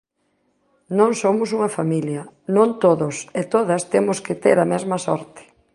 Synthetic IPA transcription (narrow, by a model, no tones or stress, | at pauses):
nõŋsomʊsuŋɐfamiljɐnõnt̪oðʊset̪oðɐst̪emʊskɪt̪eɾɐmɛzmɐsɔ̰ɾt̪ɪ̥